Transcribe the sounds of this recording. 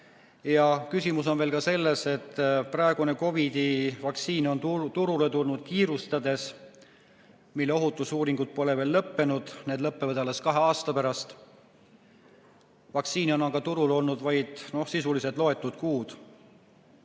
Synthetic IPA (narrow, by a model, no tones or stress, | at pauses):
jɑkysʲimuso̞nveːlkɑse̞lːe̞se̞t̪ːˑprɑe̞ɡ̥une̞ko̞vid̪̥ivɑk̪siːno̞nt̪uɾule̞t̪ulnud̪̥̚kiːɾust̪ɑd̪e̞s | milːe̞o̞ɦut̪ːˑusuːɾiŋɡ̥ut̪̚po̞le̞ve̞ːlːɤpːe̞nud̪̥ne̞ːd̪lɤpːe̞vɤd̪ɑleskɑɦe̞ɑːst̪ɑpæɾɑst̪ | vɑk̪siːno̞nɑɡ̥ɑt̪uɾulo̞lnud̪̥vɑjd̪̥no̞hsisuliset̪ˑlo̞e̞t̪ːˑud̪̥̚kuːd̪̥